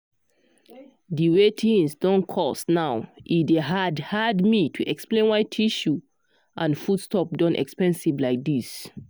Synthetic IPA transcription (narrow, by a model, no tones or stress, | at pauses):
diwetʰĩnsdɔ̃nkʰɔsnaʊʔideɦadhadmitʰuʔɛksplẽnwaɪtʰiʃu | ʔãnfudstɔp̚dɔ̃nʔɛ̰kspɛ̃nsivlaɪk̚dis